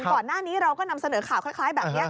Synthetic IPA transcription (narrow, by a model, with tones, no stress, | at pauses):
kɔː˨˩nːaː˥˩niː˦˥ɾa˧wkɔː˥˩na˧msa˧nɤː˨˩˦kʰaː˨˩wkʰa˥˩kʰlaː˦˥jbɛː˨˩p̚ni˦˥ɐ